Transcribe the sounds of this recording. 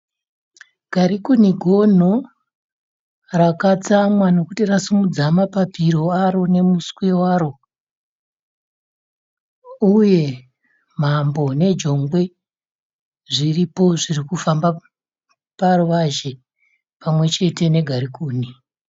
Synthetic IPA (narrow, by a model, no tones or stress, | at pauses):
ɡ̥ʱaɾikuniɡʱo̞n̤o | rakat͡samwano̞kutirasumud͡zamapapiɾo̞aɾo̞ne̞muskwewaːɾo̞ | uje̞ | m̤ambo̞ne̞d͡ʒo̞ŋɡwe̞ | ʐiripo̞ʐirikufamba | paruʋaʒe̞ | pamwe̞t͡ʃe̞te̞ne̞ɡʱaɾikuːni